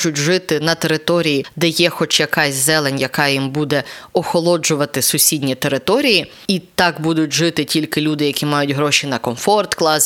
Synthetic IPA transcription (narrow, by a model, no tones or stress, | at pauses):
ʊtʲʒɪt̪ɪnɐt̪eɾɪt̪ɔɾʲijid̪ɛjɛxɔt͡ʃjɐkɑsʲzɛlˠenʲjɐkɑjimbud̪ɛɔxɔlˠɔd͡ʒʊʋɐt̪ɪsʊsʲidʲnʲit̪eɾɪt̪ɔɾʲiji | it̪ɑkbud̪ʊtʲʒɪt̪ɪtʲilʲkɪlʲud̪ɪjɐkʲimɑjʊtʲɦɾɔʃinɐkɔmfɔrt̪klˠɑsʲ